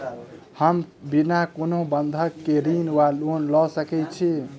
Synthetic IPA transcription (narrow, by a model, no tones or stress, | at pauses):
həmbinakonobənd̪ʱəkːeɾinwalonlɔsəkɛt͡ʃʰi